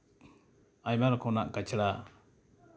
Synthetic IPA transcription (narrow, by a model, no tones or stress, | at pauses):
ajmaɾɔkɔnaʔkat͡ʃɽa